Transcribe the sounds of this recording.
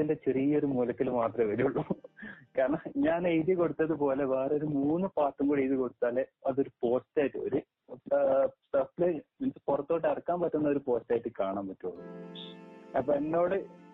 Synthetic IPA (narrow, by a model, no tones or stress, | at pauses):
indet͡ɕerijɐoɾumulɐkːilmaːt̪rɐʋɐɾijuɭːukaːɾɐɳɐɲaːnejðɨko̞ɽut̪ːɐðɨp̬o̞ːle̞ʋeːroɾumuːnːɨpaːrʈːumɡoːɽiejðiko̞ɽut̪ːaːleɐðo̞ɾupo̞ːstaːjtːɨo̰ɾu | sɐflɨmint͡ɕːɨ̥purɐt̪ːo̞ːʈːɨɐrɐkːaːmpɐtːunːɐo̞ɾupo̞ːstaːjiʈːɨkaːɳaːmpɐtːuɭːu | ɐpːoenːo̞ːɽɨ